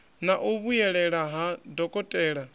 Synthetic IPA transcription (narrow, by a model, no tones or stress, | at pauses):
naʔuβujɛɺɛɺaɦadɔkʼɔtʼɛɺa